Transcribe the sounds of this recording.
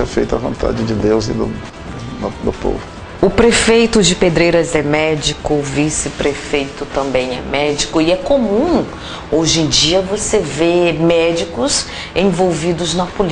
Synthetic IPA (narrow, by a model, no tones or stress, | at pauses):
ɛ̰fḛjt̪ʊɐvõnt̪ʰa̰d͡ʒɪd͡ʒɪd̪ewzḭd̪ʊ | d̪ʊpo̰vʊ | ʊpɾefejt̪ʊd͡ʒɪped̪ɾejɾɐzɛmɛd͡ʒikʊvisɪpɾefejt̪ʊt̪ɐ̃mbẽj̃ɛ̰mɛd͡ʒikʊɪɛkomũ | oʒẽj̃d͡ʒiɐvosevemɛd͡ʒikʊs | ẽvowvid̪ʊznɐpol